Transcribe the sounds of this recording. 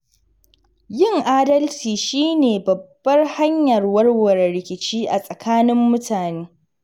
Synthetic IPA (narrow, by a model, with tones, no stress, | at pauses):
jɪ˦˨ŋʔaː˦dɐ˦lt͡ʃiː˨ʃiː˦neː˨bɐ˨bːɐ˦rha˦ɲjɐ˨rwɐ˦rwɐ˨ɾɾɪ˨kʲɪ˨t͡ʃiː˦ʔa˨sʼɐ˨kʰaː˦nɪ˦mːʊ˦tʰaː˨neː˦